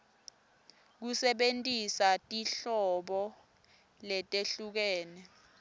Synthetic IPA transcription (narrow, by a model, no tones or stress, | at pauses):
k̬usɛɓentʼisatʼiɬɔɓɔ | lɛtʼeɬuk̬ɛːnɛ